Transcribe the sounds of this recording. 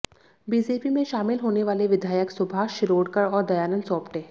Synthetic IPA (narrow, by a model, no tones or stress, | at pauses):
biːd͡ʒeːpimẽʃaːmɪlɦoːneʋaːleʋɪd̪ʱaːjəksʊbʱaʃɪɾoːɽkəɾɔːɾd̪ɐjaːnənsɔːpʈeː